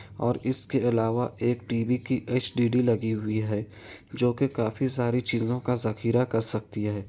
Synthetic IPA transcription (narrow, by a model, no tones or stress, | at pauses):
ɔːɾɪskeɐlaːʋaʔeːk̚ʈiːbikiʔeːt͡ʃɖiːɖilɐɡiɦʊiɦɛː | d͡ʒoːkekaːfisaːɾit͡ʃiːzõkazɐxiːɾakɐɾsɐk̚t̪iɦɛː